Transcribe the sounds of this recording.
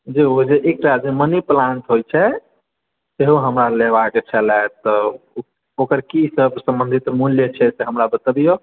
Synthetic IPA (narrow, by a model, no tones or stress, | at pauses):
d͡ʒeod͡ʒeʔek̚ʈad͡ʒeməniplãɳʈɦojt͡ʃʰɛ | seɦuɦəmɾaleβaket͡ʃʰɛlɛt̪ɔ | okəɾkisəbsə̃mbə̃nd̪ʱit̪muljət͡ʃʰɛseɦəmɾabət̪əbijo